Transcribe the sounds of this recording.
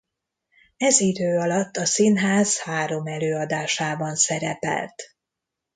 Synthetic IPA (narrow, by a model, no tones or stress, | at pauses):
ɛzid̪øːɒlɒt̪ːɒsinɦaːz̥haːɾo̞mɛløːɒd̪aːʃaːbɒnsɛɾɛpɛ̰lt̪